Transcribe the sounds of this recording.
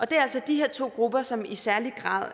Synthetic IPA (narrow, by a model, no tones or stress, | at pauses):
ʔɒ̽d̥e̝æɐælsɒ̽d̥iɦe̝ɐ̰t͡sʰo̝̰ːɡ̥ʁub̥ɐsɒ̽misæɐliɡ̥ʁɑ̰̈ːð̞̰ˠ